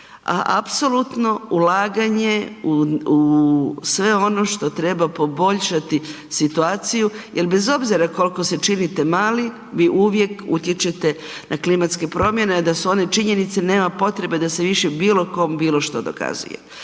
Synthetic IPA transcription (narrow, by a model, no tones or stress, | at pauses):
a̰ʔapso̞lut̪no̞ulaːɡaɲe̞uusʋe̞o̞no̞ʃt̪o̞t̪ɾe̞bapo̞bo̞ʎʃat̪i | sit̪uaːt̪sijujʔe̞lbe̞zo̞bziɾako̞lko̞se̞t͡ʃinit̪e̞maːli | ʋiʔuʋje̞kṵt̪je̞t͡ʃe̞t̪e̞ | nʔaklimat̪ske̞pɾo̞mje̞ned̪asuo̞ne̞t͡ʃiɲe̞nit̪se̞ne̞ːmapo̞t̪ɾe̞be̞d̪aseʋiʃebiːlo̞ko̞mbiːlo̞ʃt̪o̞d̪o̞̰ka̰zṵjḛ